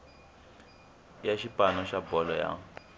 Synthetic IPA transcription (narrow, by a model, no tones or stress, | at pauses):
jaʃipʼanɔʃabɔlɔja̰